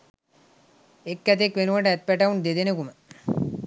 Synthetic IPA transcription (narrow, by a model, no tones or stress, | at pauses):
ekːæt̪̬ekʋenuʋɐɳʈəæt̪̚pɛʈaund̪ed̪enekumə